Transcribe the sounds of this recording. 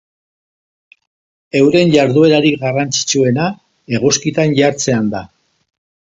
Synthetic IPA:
e̞wɾe̞nʝaɾðue̞ɾaɾikɡarant͡si̥t͡sue̞na | e̞ɣuskit̪anʝaɾt͡se̞and̪a

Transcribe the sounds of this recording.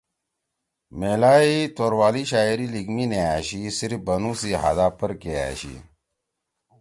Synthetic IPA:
meːlaːit̪oːɾwaːliɕaːiɾiliɡmineaːɕisiɾibɐnũːsiɦa̰d̪aːpəɾkea̰ːɕḭ

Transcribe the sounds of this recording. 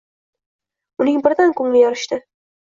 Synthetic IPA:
ʊnɪŋbɪɾd̪ankʰɵŋlɪjɒɾɪʃt̪ɪ

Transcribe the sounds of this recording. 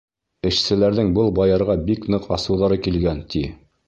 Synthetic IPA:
ɘ̆ʃsɘ̆læɾðɘŋbɤlˠbɑjɑɾʁɑbiknɤqɑ̰sɤ̆wðɑɾɤkilɡænt̪ʰi

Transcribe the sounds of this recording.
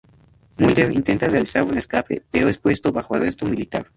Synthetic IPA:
muld̪eɾḭnt̪e̞nt̪arealisaɾuneskapḛpeɾoespwe̞st̪oβaxoa̰lrest̪omilit̪aɾ

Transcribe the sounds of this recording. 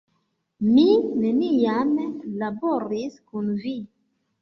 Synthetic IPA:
mineniamlaboɾiskunvi

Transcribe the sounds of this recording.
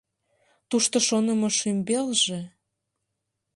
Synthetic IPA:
t̪uʃt̪oʃonə̆moʃymbelʒĕ

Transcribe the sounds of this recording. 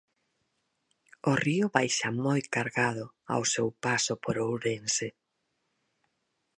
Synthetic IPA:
oriʊβajʃamojkaɾɣað̞ʊ | a̰wsewpasopoɾowɾense

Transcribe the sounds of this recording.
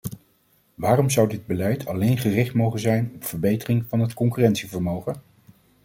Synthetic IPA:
ʋaːrɔmzʌwdɪd̚bəlɛjtʰɑ̰lejnχərɪχtmowχənzɛjnɔpfəɹbejtərɪŋvɑnɦətkɔŋkyrɛntsivəɹmowχə

